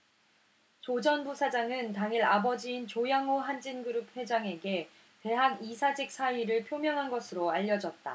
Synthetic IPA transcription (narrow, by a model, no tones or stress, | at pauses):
t͡ɕod͡ʑʌnbosʰad͡ʑaŋɯntaŋiɾabʌd͡ʑiːnt͡ɕojaŋoɦand͡ʑinɡɯɾup̚hwe̞d͡ʑaŋe̞ɡe̞ | te̞ɦaŋisʰad͡ʑik̚s͈ʰaiɾɯɭpʰjomjʌŋɦanɡʌsʰɯɾoaʎːʌd͡ʑʌt̚t͈a̰